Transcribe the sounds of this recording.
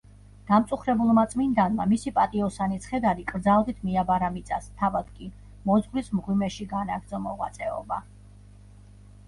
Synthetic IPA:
d̪̥amt̪sʼuχɾɛbulˠmat̪sʼmind̪anmamisipʼat̪ʼiɔsanit̪sʰχɛd̪aɾikʼɾd̪zalˠd̪it̪ʰmiabaɾamit̪sʼast̪ʰavad̪̥kʼi | mɔzʁlismʁwimɛʃiɡanaɾd̪zɔmɔʁwa̰t̪sʼɛɔ̰ba

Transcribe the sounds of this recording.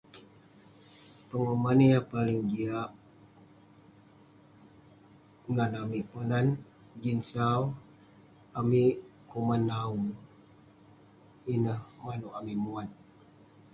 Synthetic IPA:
pəŋəmanijapaliŋɡiaʔ | ŋanamiʔpənan | d͡ʒinsaw | amiʔkumanːau | inəhmanuʔamimuan

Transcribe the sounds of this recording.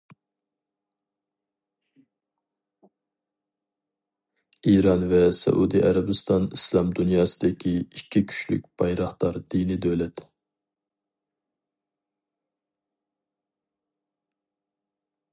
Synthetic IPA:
iɾɑnvɛsɛ̰ʔud̪iʔɛɾɛbɨst̪ɑnislˠɑmd̪unjɑːsɨd̪ɪkʲʰiikʲʰːikʲʰy̥ʃly̰k̚ʲb̥ɑjɾɑχt̪ɑɾd̪̥ijnid̪ølɛt̪

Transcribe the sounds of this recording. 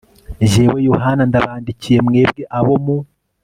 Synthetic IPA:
ʒeːwejoɦanandaβaːndicije̞mŋe̞ːbɡeʔaβo̞mu

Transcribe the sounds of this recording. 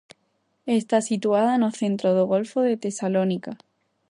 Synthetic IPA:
est̪asit̪uaðaenoθe̞nt̪ɾoð̞oɣ̞o̞lfoðe̞t̪e̞salonika

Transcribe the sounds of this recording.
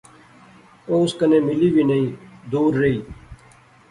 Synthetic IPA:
oːʊskənẽːmɪliːʋiːnəĩːd̪uːɾːəiː

